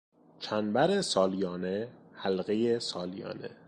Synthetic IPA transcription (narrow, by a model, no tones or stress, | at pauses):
t͡ʃʰænbæɾesɒːlijɒːnehælɣejesɒːlijɒ̰ːnḛ